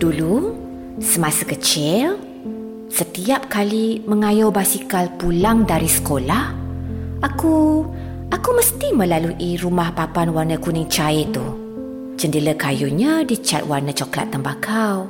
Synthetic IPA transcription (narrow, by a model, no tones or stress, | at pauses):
d̥ulu | səmasəkət͡ʃɪl | sət̪iap̚kaliməŋajobasikalpulaŋdaɾisə̥kolah | aku | ʔakuməst̪iməlaluʔiɾumahpapanwarnəkunɪŋt͡ʃaɪt̪u | t͡ʃəndələkajuɲadit͡ʃa̰t̪̚warnət͡ʃokla̰t̪ːəmbakʰaw